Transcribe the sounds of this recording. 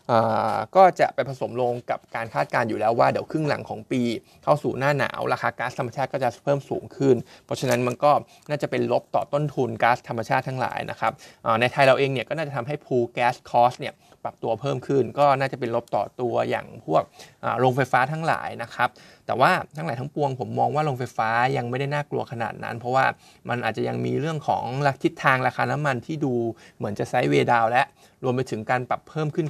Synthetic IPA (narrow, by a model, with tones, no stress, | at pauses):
ʔaː˨˩kɔː˥˩t͡ɕa̰˨˩ʔpa˧jpʰa˧so˨˩˦mloː˧ŋka˨˩p̚kaː˧nkʰaː˥˩t̪̚kaː˧njuː˨˩lɛː˦˥waː˥˩di˩˦wkʰɯ˥˩ŋla̰˨˩˦ŋkʰɔː˩˦ŋpiː˧ | kʰa˥˩wsuː˨˩naː˥˩na̰ː˩˦wɾa˧xʰaː˧kaː˦˥t̪ʰa˧ma˧t͡ɕʰaː˥˩kɔː˥˩t͡ɕa˨˩pʰɤː˥˩msṵː˩˦ŋkʰɯ˥˩npʰɾɔ˦˥t͡ɕʰa˧na˦˥nma˧nkɔː˥˩ | naː˥˩t͡ɕa˨˩pe˧nlo˦˥p̚t̪ɔː˨˩t̪o˥˩nt̪ʰu˧nkaː˦˥st̪ʰːa˧mːa˧t͡ɕʰaː˥˩t̪ʰaː˧˥ŋla̰ː˩˦jna̰˦˥kʰa˦˥p̚ʔəː˨˩na˧jt̪ʰa˧jɾa˧wʔeː˧ŋni˥˩kɔː˥˩naː˥˩t͡ɕa˨˩t̪ʰa˧mɦa˥˩jpʰuː˧kɛː˦˥skʰɔː˦˥st̪̚ni˥˩ə | pa˨˩p̚t̪u˧ɐpʰɤː˥˩mkʰɯ˥˩nkɔː˥˩naː˥˩t͡ɕa˨˩pe˧nlo˦˥p̚t̪ɔ̰ː˨˩t̪u˧ɐja̰ː˨˩ŋpʰu˥˩ək̚ʔa̰ː˨˩ɾoː˧ŋfa˧jfaː˦˥t̪ʰaː˦˥ŋla̰ː˩˦jna˦˥kʰa˦˥p̚t̪ɛː˨˩waː˥˩t̪ʰa˧˦˥ŋaː˩˦t̪ʰa˦˥ŋpu˧əŋpʰo˩˦mːɔː˧ŋwaː˥˩ɾoː˧ŋfa˧jfaː˦˥ja˧ŋma˥˩jda˥˩jnaː˥˩klṵ˧ɐkʰa˧na̰ː˨˩t̪̚na̰˦˥npʰɔ˦˥waː˥˩ | ma˧nʔaː˨˩t͡ɕa˨˩ja˧ŋmiː˧ɾɯ˥˩əŋkʰɔ̰ː˩˦ŋɾa˧t̪ʰi˦˥t̪ʰːaː˧ŋɾaː˧kʰaː˧na˦˥mːa˧nt̪ʰiː˥˩duː˧mɯ˩˦ənt͡ɕa˨˩sa˦˥jweː˧daː˧wlɛ˦˥ʔ | ɾu˧mpa˧jt̪ʰɯ˩˦ŋkaː˧npa˨˩pʰːɤː˥˩mkʰɯ˥˩n